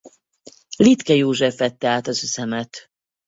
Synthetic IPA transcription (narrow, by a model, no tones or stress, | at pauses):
lit̪kɛjoːʒɛfɛt̪ːɛaːt̪ɒzøsɛmɛt̪